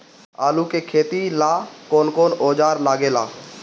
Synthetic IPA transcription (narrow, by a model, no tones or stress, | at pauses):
aːlukekʰeːt̪ilaːkoːnkoːnoːd͡ʒaːɾlaːɡeːlaː